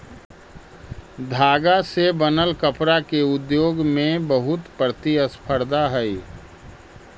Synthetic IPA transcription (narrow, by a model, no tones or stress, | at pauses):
d̪ʱaːɡasebənəlkəpɾakeʊd̪joːɡmẽbəɦʊt̪pɾət̪iəspʰəɾd̪aɦɛi